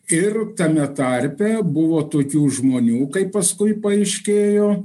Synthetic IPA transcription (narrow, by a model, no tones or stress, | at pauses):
ɪrt̪ɐmʲɛt̪ɐɾʲpʲɛbʊʋoːt̪oːkʲuːʒmoːnʲuːkɐɪppɐskʊɪpɐɐɪʃʲkʲeːjoː